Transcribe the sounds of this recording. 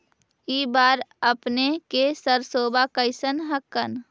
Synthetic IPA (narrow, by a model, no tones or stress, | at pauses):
iːbaːɾəpnekesəɾsoːbakəɪsənɦəkːən